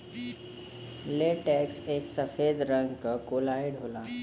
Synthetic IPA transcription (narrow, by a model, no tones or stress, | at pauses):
leːʈɛːkseːksəfeːd̪ɾə̃ŋɡʱkakoːlaːeɖʱoːlaː